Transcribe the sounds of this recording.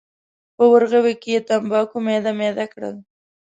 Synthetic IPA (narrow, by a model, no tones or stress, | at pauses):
pəwəɾɣawekejet̪ambɑkomed̪amed̪akɽə̰l